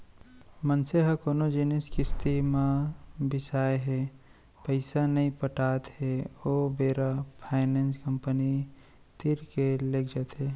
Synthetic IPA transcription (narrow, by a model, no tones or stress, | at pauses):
mənseɦəkoːnod͡ʒiniskɪst̪imabɪsaːeɦe | pəɪsanəĩpəʈat̪ɦeobeːɾapʰaːɪnenskəmpəni | t̪iɾkelekʰd͡ʒət̪ɦe